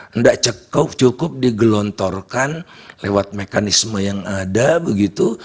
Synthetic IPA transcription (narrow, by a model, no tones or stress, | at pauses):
əndaʔt͡ʃəkəp̚t͡ʃukʊp̚diɡəlɔnt̪ɔrkanlewat̪̚mekanisməjaŋadabəɡit̪u